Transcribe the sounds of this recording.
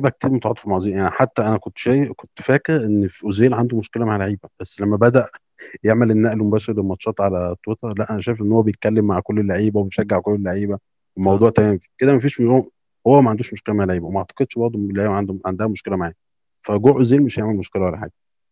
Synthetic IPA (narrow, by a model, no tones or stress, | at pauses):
ibæk̚t̪ʰiːɾmot̪ɑʕɑ̰t̪ˤefilmaʕziːjaʕniħat̪ːæʔænækont̪ʃæːjekont̪fæːkeʔenːfiʔozeːlʕand̪umoʃkelæmaʕlaʕiːbæb̥æsːlæmːæbæd̪æʔ | jeʕmælʔenːæʔlmobæːʃeɾlemɑt̪ʃːɑːt̪ˤʕalæt̪ˤːwet̪ɑɾˤlæʔænæʃæjfʔenːhowːæbejet̪̚kælːemːaʕkolːelːaʕiːbæwebejʃæɡːeʕkolːelːaʕiːbæ | wemɑwd̪ˤuːʕt̪æmæːmke̥d̪ked̪æmæfiːʃm | howːæmæʕand̪uːʃmoʃkelæmaʕlaʕiːbæwemæʔɑʕt̪ˤɑ̥qed̪ʃbɑɾˤd̪ˤoelːaʕiːbæʕand̪uʕand̪æhæmoʃkelæmaʕæː | fæɡoʔozeːlmeʃæjeʕmelmoʃkelæwælæħa̰ːɡ